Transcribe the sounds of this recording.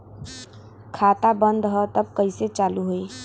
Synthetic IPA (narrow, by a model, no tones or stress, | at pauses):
kʰat̪abənd̪ɦət̪əb̚kəiset͡ʃaluɦoe